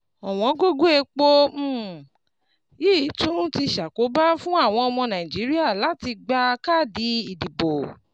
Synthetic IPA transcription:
ɔ˨w̃ɔ̃˨˦ɡo˦ɡo˦e˧k͡po˦m̩˦˨ | ji˦˨tũ˦ti˧ʃa˨ko˨˦ba˦fũ˦a˦˨w̃ɔ̃˧ɔ˧mɔ̃˧nã˨ĩ˨d͡ʒi˨˦ɾi˦a˦˨la˨˦ti˧ɡ͡ba˧ka˦˨di˨˦i˨di˨bo˨

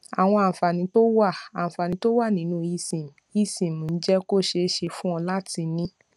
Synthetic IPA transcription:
a˨w̃ɔ̃˧ã˨fa˨nĩ˨˧˦to˦wa˦˨a˨fa˨nĩ˨˦to˦wa˦˨nĩ˨˦nũ˦i˧sĩ˨m˨i˧˦sĩ˨mũ˨˦n̩˦d͡ʒɛ˦ko˦˨ʃe˧˦ʃe˧fũ˦ɔ̃˧la˦ti˧nĩ˦

